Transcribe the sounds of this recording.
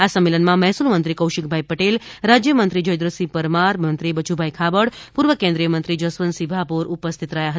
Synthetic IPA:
asəmːelənmãmɛɦsulmənt̪ɾikəwʃik̚bʱaipəʈelɾad͡ʒjəmənt̪ɾid͡ʒəjd̪ɾəsipəɾmaɾmənt̪ɾibət͡ʃubʱaikʰabəɽpuɾʋəkẽnd̪ɾijəmənt̪ɾid͡ʒəsʋənsibʱapoɾupəst̪ʰit̪ɾəjaɦə

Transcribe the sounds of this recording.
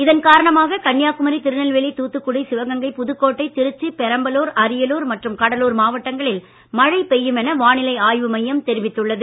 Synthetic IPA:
ɪðɐnkaːɾɐɳɐmaːɣɐkɐɳːjaːkːɯmɐɾit̪ɪɾɯnɐlʋɛɭit̪uːt̪ːɯkːʊɽɐɪsɪʋɐɣɐŋɡɐɪpʊðɯkːoːʈːɐɪt̪ɪɾɯt͡ʃːɯpɛɾɐmbɐloːɾɐɾɪjɐloːɾmɐʈrɯmkɐɽɐluːɾmaːʋɐʈːɐŋɡɐɭɪl | mɐɻɐɪpɛjːɯmɛnɐʋaːnɪlɐɪaːjʋɯmɐjːɐmt̪ɛɾɪʋɪt̪ːɯɭːɐðɯ

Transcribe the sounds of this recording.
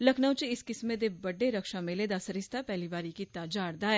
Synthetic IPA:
lɐkʰnəwt͡ʃeɪskɪsmẽd̪ebɐɖeɾɐkʃameled̪asɐɾɪst̪ʰapɛɦliʋaːɾikit̪aːd͡ʒaːɾd̪aː

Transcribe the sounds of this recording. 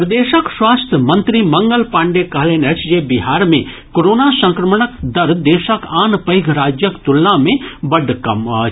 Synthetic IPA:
pɾɐd̪eːʃəkswaːst̪ʰjəmɐnt̪ɾimɐŋɡəlpãːɳɖekɐɦleːnət͡ʃʰd͡ʒeːbiɦaːɾmẽ | koɾoːnasɐ̃ŋkɾəmɳəkd̪ɐɾd̪eːʃəkaːnpɐjɡʱɾaːd͡ʒjəkt̪ulnamẽbɐɖkɐmɐːt͡ʃʰ

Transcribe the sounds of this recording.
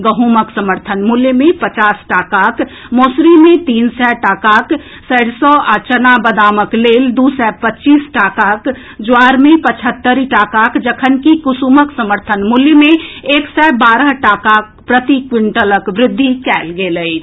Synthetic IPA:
ɡəɦuməksəməɾt̪ʰənmuljmẽpət͡ʃaːsʈaːkaːk | moːsɾimẽt̪iːnsɛʈaːkaːk | səɽsɔat͡ʃənabəd̪aːməkleːld̪usɛpətːt͡ʃiːsʈaːkaːk | d͡ʒoaːɾmẽpət͡ʃʰət̪ːəɾiʈaːkaːkd͡ʒəkʰənkikusuːməksəməɾt̪ʰənmuljəmẽeːksɛbaːɾəɦʈaːkaːk̚pɾət̪ikwɪɳʈələkʋɾɪd̪ʱːikɛːlɡeːləi

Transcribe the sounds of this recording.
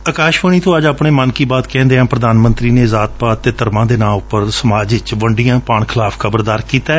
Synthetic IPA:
əkaːʃʋəɳ̃iːt̪ʰõːəd͡ʒaːpɳeːmənkiːbaːt̪kɛ̃ːnd̪eːɦãːpɾəd̪aːnmənt̪ɾiːneːzaːt̪̚paːt̪eːt̪əɾmãːd̪eːnãːʊpːəɾsəmaːd͡ʒɪt͡ʃʋəɳɖijãːpaːɳ̃kʰɪlaːpʰkʰəbəɾd̪aːɾkiːt̪aːɛ

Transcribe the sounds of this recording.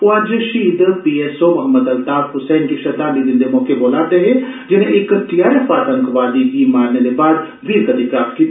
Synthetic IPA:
pʊad͡ʒʃiːd̪pieːsomɐɦəmːəd̪ɐlt̪aːbɦʊsɛːnkiʃɐd̪aniɾɪ̃nd̪emoːkeboːlaːt̪eɦɛ̃d͡ʒɪnẽʔɪkʈijaːɾefaːʈ̪ə̃ŋkʋaːd̪iɦimaːɾnelebaːd̪ | ʋiːɾkɐd̪ʱɪkɾaːft̪̚kiː

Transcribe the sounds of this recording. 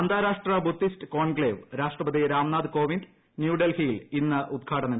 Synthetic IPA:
ɐnd̪aːɾaːʂʈrɐbut̪ːistɨko̞ːɳɡɭeːʋɾaːʂʈrɐbɐd̪iɾaːmnaːd̪ɨko̞ːʋinɖ | njuːɖelhijilinːɨʔud̪̚kʰaːɽɐnɐ

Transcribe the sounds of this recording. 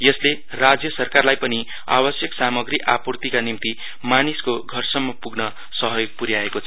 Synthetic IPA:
jʌsle | rad͡zjʌsʌrkarlajpʌni | a̰bʌsjʌksamʌɡriʔapurt̪ikanimt̪i | maniskoɡʱʌrsʌmːʌpuɡnʌ | sʌɦʌjoɡ̚puɾjaekot͡sʰʌ

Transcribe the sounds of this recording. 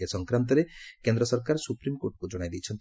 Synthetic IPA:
asɔŋkɾant̪̬ɔɾekend̪ɾɔsɔɾkaɾsupɾimkoɾʈkud͡ʒɔɽ̃ajd̪ijt͡ʃʰɔnt̪

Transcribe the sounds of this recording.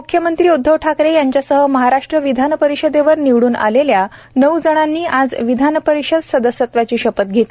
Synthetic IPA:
mukʰjəmənt̪ɾiːud̪ʱːəʋʈʰakɾejaɲt͡ɕjasəɦəməɦaɾaʂʈɾəʋid̪ʱanpəɾiɕəd̪eʋəɾniʋɽuːnʔa̰lelja | nəwd͡zəɽ̃anːiːʔad͡zʋid̪ʱanəpəɾiɕəd̪səd̪əsjət̪ʋat͡ɕiːɕəpət̪̚ɡʱet̪

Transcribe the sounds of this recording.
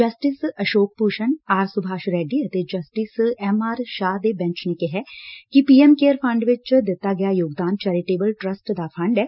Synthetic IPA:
d͡ʒəsʈɪsəʃoːk̚puːʃənaːɾsʊbʱaːʃɾɛːɖiːət̪eːd͡ʒəsʈɪsɛmaːɾʃaːd̪eːbɛ̃ɲt͡ʃneːkeɦɛːkipiːɛːmkeːəɾpʰɐ̃ɳɖʋɪt͡ʃd̪ɪt̪ːaːɡɪjaːjoːɡd̪aːnt͡ʃɛːɾɪʈeːbəlʈɾəsʈd̪aːpʰɐ̃ɳɖɛː

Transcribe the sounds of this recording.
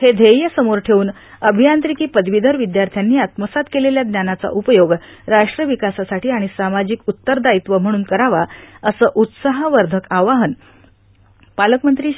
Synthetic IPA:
hed̪ʱejjəsəmoɾʈʰeuːn | əbʱijant̪ɾikiːpəd̪ʋid̪ʱəɾʋid̪jaɾt̪ʰjanːiːat̪məsat̪keleljad̪njanat͡sa̰ʔupəjoɡɾaʂʈɾəʋikasasaʈʰiːaɽ̃isamad͡ʑikut̪ːəɾd̪ait̪ʋəm̤əɽ̃uːnkəɾaʋaəsəːʔut̪saɦəʋəɾd̪ʱəkaʋaɦən | paləkmənt̪ɾiː

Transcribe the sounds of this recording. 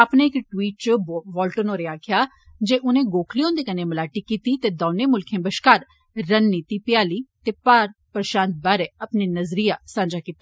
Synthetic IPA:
apnẽːɪkʈwiːʈ̚t͡ʃʋɔːlʈənoːɾeːaːkʰjaː | d͡ʒeːʔʊnẽːɡoːkʰliːõːnd̪eːkəneːməlaːʈiːkiːt̪iːt̪eːd̪oːneːmʊlkʰẽːbəʃkaːɾː | ənːiːt̪iːpɪjaːliːt̪eːpaːɾpɾəʃãːnt̪̚baːɾeːəpniːnəzɾiːaːsãːd͡ʒaːkiːt̪a

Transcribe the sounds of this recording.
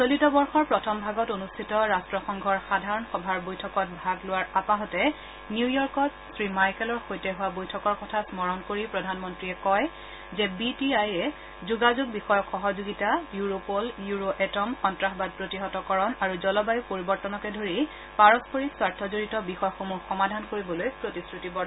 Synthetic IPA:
solitɔbɔɹxɔɹpɹɔtʰɔmbʱaɡɔtonustʰitɔɹastɹɔxɔŋɡʱɔɹxadʱaɹɔnxɔbʱaɹbojtʰɔkɔt̚bʱaɡlʊwaɹapaɦɔtɛ | niujɔɹkɔt | sɹimajkɛlɔɹxojtɛɦʊwabojtʰɔkɔɹkɔtʰasmɔɹɔnkoɹipɹɔdʱanmɔntɹiɛkɔj | zɛbitiajɛ | zuɡazuɡ̚bixɔjɔkxɔɦɔzoɡitajuɹopoljuɹoʔɛtɔmxɔntɹaxbad̚pɹotiɦɔtɔkɔɹɔnaɹuzɔlɔbajupoɹibɔɹtɔnɔkɛdʱoɹi | paɹɔspoɹiswaɹtʰɔzoɹitɔbixɔjɔxomuxɔmadʱankoɹibɔlojpɹotisɹutibɔ

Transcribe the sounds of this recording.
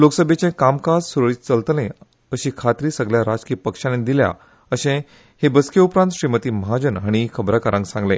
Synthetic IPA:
loksəbʱjet͡ɕẽkamkad͡zsuɾɭiːt͡səlt̪lẽ | əɕiːkʰat̪ɾiːsəɡljaɾad͡zkiːpəkʂanẽd̪ilja̰ | əɕẽ | hebəskjeupɾant̪ɕɾimət̪iːməɦad͡ʑənɦaɽ̃ikʰəbɾakəɾãŋksãŋɡle

